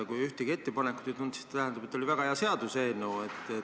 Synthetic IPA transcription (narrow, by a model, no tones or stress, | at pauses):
kujyht̪ekie̞t̪ːe̞pɑnekːˑu̥t̪et̪und̪̥si̥st̪ːt̪æɦɛnɑbet̪ːˑolivæɡ̥ɑheɑse̞ɑd̪̥useːnːewet̪ːˑe